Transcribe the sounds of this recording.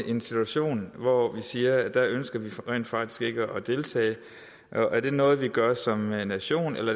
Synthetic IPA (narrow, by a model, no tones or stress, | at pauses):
ʔe̝nsit͡sʰuæɕo̝̰ːnʋɒʋisiːɐd̥æønsɡ̥ɐʋiʁɛ̰ːnd̥fɑ̈ɡ̥̚d̥i̥sɡ̥e̝ɡ̥əʔɒ̽d̥e̝lt͡sʰɛ̰ːɪ | ʔʔæɐd̥e̝nɔ̽ːð̞̩ˠʋiɡ̥ɶɐsɒ̽mnæɕo̝̰ːnelɐ